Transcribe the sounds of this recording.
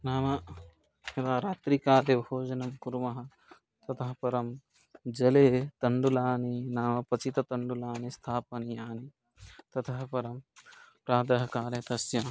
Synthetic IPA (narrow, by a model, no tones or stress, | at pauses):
naːmɐ | hed̪aːɾaːt̪ɾikaːlebʱoːd͡ʒɐnɐmkuɾmɐɦɐ̆ | t̪ɐt̪ʰɐɦɐpɐɾɐm | d͡ʒɐleːt̪ɐɳɖulaːninaːmɐpɐt͡ʃit̪ɐt̪ɐɳɖulaːnist̪ʰaːpɐnijaːni | t̪ɐt̪ʰɐɦɐpɐɾɐmpɾaːd̪ɐɦɐkaːɾɐt̪ɐsjɐ